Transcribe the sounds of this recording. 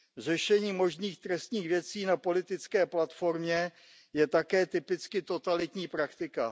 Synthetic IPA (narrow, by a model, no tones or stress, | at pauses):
r̝ɛʃɛɲiːmo̞ʒniːxt̪ɾɛst̪ɲiːxvjɛt͡siːnapo̞lɪt̪ɪt͡skɛːplat̪fo̞ɾmɲɛ | jɛt̪akɛːt̪ɪpɪt͡skɪt̪o̞t̪alɪt̪ɲiːpɾakt̪ɪka